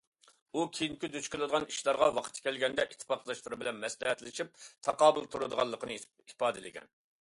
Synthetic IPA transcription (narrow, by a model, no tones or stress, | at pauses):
ukʲʰijiŋkʲid̪øt͡ʃkʲɪlˠɨd̪əʁɑniʃlˠɑɾʁɑwɑqʰə̥t̪ʰːɪ̥kʲʰɛlɡʲɛnd̪ɛʔit̪ʰːɨ̥pɑqlˠɑʃt̪ɨɾɨbɪlɛnmɛslɛɦɛt̪lɪʃip̚t̪ʰɑqɑːbɨ̰lˠt̪ʰuɾɨd̪əʁɑ̰lˠːəqənɨ | ipɑːd̪ɨlɪ̰ɡʲɛ̰n